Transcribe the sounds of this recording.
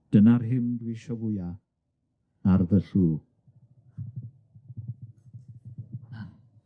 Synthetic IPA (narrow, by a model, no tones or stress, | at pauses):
d̥ənarɦɪmdwiʃɔvʊja | arðəɬuː